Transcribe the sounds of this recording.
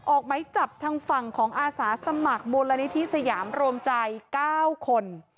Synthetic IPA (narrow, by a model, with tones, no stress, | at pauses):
ʔʔɔː˨˩k̚ma˦˥jt͡ɕa˨˩p̚t̪ʰaː˧ŋfa˨˩ŋkʰɔː˩˦ŋʔaː˧saː˩˦sa˧ma˨˩k̚moː˧nla˧ni˦˥t̪ʰi˦˥ʔsa˧jaː˩˦mɾoː˧əmt͡ɕa˧jkaː˥˩wkʰo˧n